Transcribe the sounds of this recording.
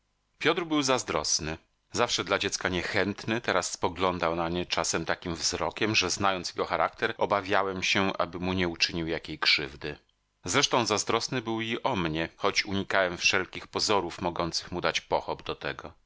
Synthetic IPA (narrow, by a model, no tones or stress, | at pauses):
pʲjɔt̪ɾbɘwzazd̪ɾɔsnɘ | zafʂɛd̪lad͡ʑɛt̪skaɲɛxɛnt̪nɘt̪ɛɾasːpɔɡlɔnd̪awnaɲɛt͡ʂasɛmt̪akʲimvzɾɔkʲɛmʐɛznajɔnt̪sjɛɡɔxaɾak̚t̪ɛɾɔbavʲjawɛmɕɛʔa̰bɘmuɲɛut͡ʂɘɲiwjakʲejkʂɘvd̪ɘ | zɾɛʂt̪ɔ̃w̃zazd̪ɾɔsnɘbɘwiʔɔmɲɛxɔt͡ɕuɲikawɛmfʂɛlkʲixpɔzɔɾufmɔɡɔnt̪sɘxmud̪at͡ɕpɔxɔbd̪ɔt̪ɛɡɔ